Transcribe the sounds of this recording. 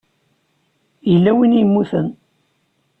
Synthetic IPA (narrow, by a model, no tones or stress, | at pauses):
ilːæwinjəmːuθən